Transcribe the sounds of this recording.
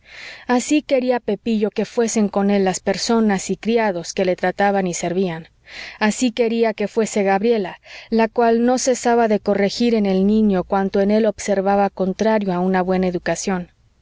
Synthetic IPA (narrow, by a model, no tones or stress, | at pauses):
asike̞ɾiape̞piʝo̞ke̞fwe̞se̞ŋko̞ne̞lːaspe̞ɾso̞nasikɾiaðo̞ske̞le̞t̪ɾat̪aβanise̞ɾβian | asike̞ɾiake̞fwe̞se̞ɣaβɾje̞lalakwalno̞se̞saβaðe̞ko̞re̞xiɾe̞ne̞lnĩɲo̞kwant̪oene̞lo̞bse̞ɾβaβako̞nt̪ɾaɾjo̞aunaβwe̞naeðukasjo̞n